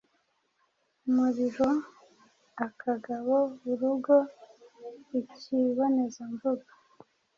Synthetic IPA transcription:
muɾiɾo | akʰaɡaβoβuɾuɡo | iciβonezaɱvuɡa

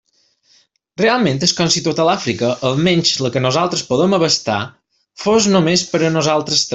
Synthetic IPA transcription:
realˠmẽnt̪əskɔnsit̪ot̪əlafɾikəʔəlˠmɛɲʲt͡ʃləkənozalˠt̪ɾəspoð̞əməβəst̪a̰ | foznomespəɾənozalˠt̪ɾəst̪

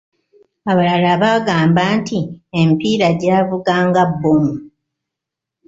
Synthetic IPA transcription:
aβalalaːβaːɡaːmbaːntʰiempiːɾaɟaːvuɡaːŋɡabːomu

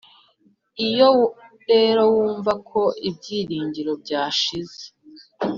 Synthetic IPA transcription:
ijo̞ | ɾe̞ːɾo̞wuːɱvakʰo̞ʔib̚ɟiːɾiːɲɟiɾo̞b̚ɟaːʃize

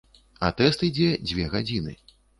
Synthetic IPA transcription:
a̰t̪ɛst̪id͡zʲɛd͡zʲvʲɛɣad͡zʲinɨ̰

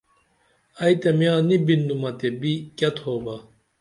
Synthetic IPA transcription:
ɐjt̪emjãːnibind̪umɐt̪ebikɐt̪ʰhoːbɐ

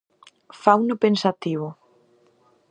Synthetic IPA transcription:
fawnʊpensat̪iβ̞ʊ

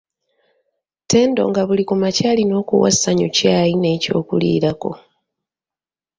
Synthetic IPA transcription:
te̞ːndo̞̰ŋɡaβulikumacaːlino̞ːkṵwa̰saɲucaːjine̞ːco̞̰ːkulḭːɾako̞̰

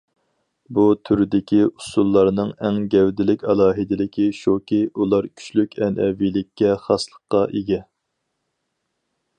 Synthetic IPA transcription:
but̪ʰyɾɪd̪ɪkʲiusulˠːɑɾnɨŋɛŋɡʲɛwd̪ɪlɪkʲɑlˠɑːɦɪd̪ɪlɪkʲiʃokʲiulˠɑɾkʲʰy̥t͡ʃlykʲɛnʔɛvilɪkʲːɛχɑslˠəqːɑʔiɡʲɛ

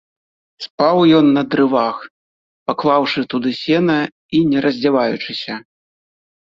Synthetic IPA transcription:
spawjɔnːɐd̪ɾɨvax | paklˠawʂɨt̪ud̪ɨsʲɛnɐ | inʲɛɾʔɐzʲd͡zʲɛvajut͡ʂɨsʲɐ

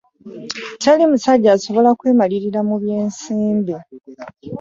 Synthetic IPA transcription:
talimusaɟːaːso̞βo̞lakwe̞ːmaliɾiɾamuβje̞ːnsiːmbe

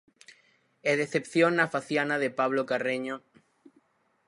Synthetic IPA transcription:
eðeθepθjoŋnafaθjanaðepaβ̞lokareɲo

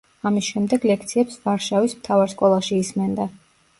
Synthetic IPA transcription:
amisʃɛmd̪ɛɡlɛk̚ʰt̪sʰiɛpsvaɾʃavismt̪ʰavaɾskʼɔlˠaʃiːsmɛnd̪a

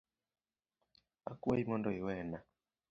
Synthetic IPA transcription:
a̰kuɛimɔndɔiwɛna

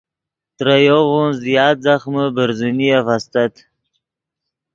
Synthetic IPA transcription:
t̪ɾajoʁunzjɑːt̪zaχməbəɾzunijafast̪at̪

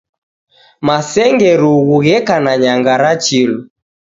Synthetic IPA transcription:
masɛŋɡɛɾuɣuɣɛkanaɲaŋɡaɾat͡ʃilɔ

